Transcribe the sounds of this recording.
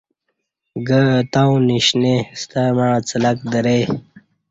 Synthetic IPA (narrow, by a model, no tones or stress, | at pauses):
ɡət̪ãw̃niɕnest̪amaːt͡səlɐkd̪ɐɾe